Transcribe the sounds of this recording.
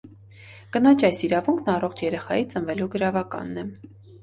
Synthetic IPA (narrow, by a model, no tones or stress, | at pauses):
kənɑt͡ʃʰɑjsiɾɑvuŋkʰnɑrɔχt͡ʃʰjɛɾɛχɑjit͡sənvɛluɡəɾɑvɑkɑ̰nːɛ